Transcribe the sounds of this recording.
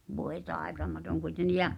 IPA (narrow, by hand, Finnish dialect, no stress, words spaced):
ʋoe tɑetɑmɑtoŋ kuitenˑi jɑ̟